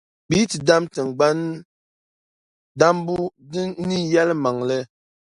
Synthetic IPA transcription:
bi˦ti˨da˦mtə˨ŋ̩˨ɡ͡ba˦n | da˦mbu˦di˦ni˦ja˦lma˨ŋlɛ˦

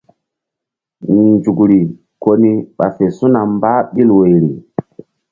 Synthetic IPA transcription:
nd͡ʒu˨kɾi˨ | ko˦ni˦ɓa˨fe˨su˦na˨mbaː˦ɓi˦lwe˨ɾi˨

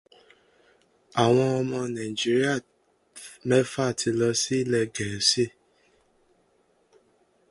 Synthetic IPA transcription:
a˨w̃ɔ̃˧ɔ˧mɔ̃˧nã˨i˨d͡ʒi˦ɾi˦a˦˨ | mɛ˦fa˦˨tʰi˧lɔ˧si˦lɛ˦˨ɡɛ˨˦si˦˨

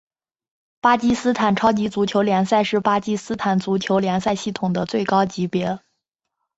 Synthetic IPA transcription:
pa˥t͡ɕi˥sɹ̩˥t̪ʰa˨˩nʈ͡ʂʰɑ˥ʊt͡ɕi˧˥t͡su˧˥t͡ɕʰjo˧˥ʊljɛ˧˥nsa˥˧ɪʂɻ̩˥˩pa˥t͡ɕi˥sɹ̩˥t̪ʰa˨˩nt͡su˧˥t͡ɕʰjo˧˥ʊljɛ˧˥nsa˥˧ɪɕi˥˩t̪ʰʊ˨˩ŋd̪ə˦t͡swe˥˩ɪkɑ˥ʊt͡ɕi˧˥pjɛ˧˥

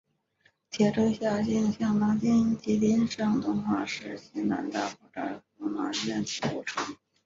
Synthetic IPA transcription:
t̪ʰjɛ˧˥˩ʈ͡ʂo˥ɕja˥˧t͡ɕi˥˩nɕjɑ˥˩ŋnɑ˥ŋt͡ɕ̪i˥t͡ɕi˧˥t̪i˥nʂɤ˥˩ŋt̪ʊ˥ŋxwa˥˩ʂɻ̩˥˩ɕi˧˥na̰˧˥nt̪a˥˩xɔ˧˩ʈ͡ʂa̰˥˩˧na̰˧˥˩ɛ˥nt̪ʰṵ˥˩ʈ͡ʂʰɤ˧˥ŋ

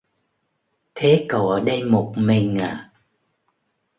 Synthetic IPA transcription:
t̪ʰe˨˦kə˨˩wə˨˦˩ɗə˧jmo˨˩t̚mi˨˩ŋaː˨˩

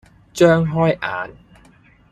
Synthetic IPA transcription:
t͡ʃœː˥ŋɦɔː˥jʔa̰ː˨˥n

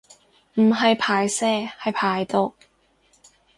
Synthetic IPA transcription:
m̩˨˩ɦɐ˨jpʰaː˨˩jsɛː˧hɐ˨jpʰaː˨˩jt̪o˨˧k̚

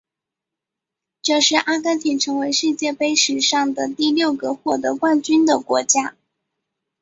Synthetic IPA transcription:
ʈ͡ʂɤ˥˧ʂɻ̩˥˩ʔa˥ka˥nt̪ʰi˨˩ʈ͡ʂʰɤ˧˥ŋwe˧˥ɪʂɻ̩˥˧t͡ɕjɛ˥˩pe˥ɪʂɻ̩˨˩ʂɑ˥˩ŋd̪ə˩t̪i˥˧ljo˥˩ʊɡə˩xwɔ˥˩d̪ə˧˥kwa˥˧nt͡ɕy˥nd̪ə˨kwɔ̰˧˥t͡ɕja˥

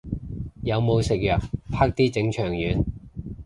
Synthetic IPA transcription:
jɐ˨˧wmo˨˧wsɪ˨k̚jœː˨k̚pʰaː˥k̚t̪iː˥t͡sɪ˨˥ŋt͡ʃʰœː˨˩ŋjyː˨˧n

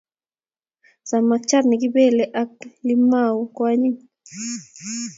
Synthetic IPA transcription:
sa˨ma˧k̚t͡ʃa˦ɾni˨ɡi˦be˦˨le˧ʔa˦k̚li˦ma˦˨wkʷa˦ɲi˦ŋ

